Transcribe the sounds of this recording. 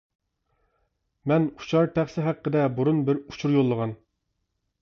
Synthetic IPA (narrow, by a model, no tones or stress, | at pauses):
mɛnu̥t͡ʃʰɑɾt̪ʰæχsɪɦæqːəd̪ɛbuɾunbɪɾut͡ʃʰuɾjolˠːəʁɑn